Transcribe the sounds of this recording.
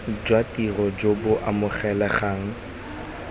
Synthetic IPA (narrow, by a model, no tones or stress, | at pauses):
d͡ʒwatʼirɔd͡ʒobʊʔamʊχɛlɛχaːŋ̩